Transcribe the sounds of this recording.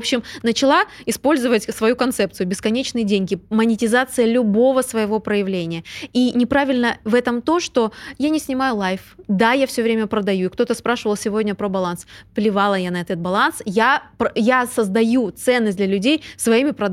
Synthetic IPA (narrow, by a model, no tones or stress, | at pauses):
pɕːɪmnət͡ɕɪlˠaɪspo̞lʲzəvətʲsvɐjukɐnt̪sɛp̚tsɨjʊbʲɪskɐnʲet͡ɕnɨjədʲeŋʲɡʲɪmənʲɪtʲɪzat̪sɨjəlʲʊbo̞vəsvəjɪvo̞pɾəjɪvlʲenʲɪjəinʲɪpɾavʲɪlʲnəvɛt̪əmt̪o̞ʂt̪o̞janʲɪsʲnʲɪmajʊlˠajfd̪ajafsʲɵvɾʲemʲəpɾəd̪ɐjuɪkt̪o̞t̪əspɾaʂɨvəlˠsʲɪvodʲnʲəpɾəbɐlˠansplʲɪvalˠəjanɐɛt̪ət̪̚bɐlˠansjapjasəzd̪ɐjut̪sɛnːəsʲdlʲɐlʲʉdʲejsvɐimʲɪpɾɐd̪